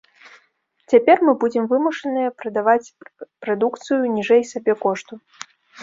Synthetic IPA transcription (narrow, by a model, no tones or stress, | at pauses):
t͡sʲapʲɛrmɨbud͡zʲɛmvɨmuʂɐnɨjɐpɾɐd̪avat͡sʲpɾad̪ukt̪sɨjunʲiʐɛjsʲabʲɛkɔʂt̪u